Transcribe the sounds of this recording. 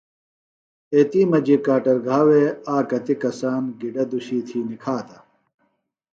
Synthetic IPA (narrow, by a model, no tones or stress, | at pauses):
eːt̪iːmɐd͡ʑikaːʈɐɾɡʱaːweaːkɐt̪ikɐsaːnɡiɖɐd̪uɕiːt̪ʰiːnikʰaːt̪ɐ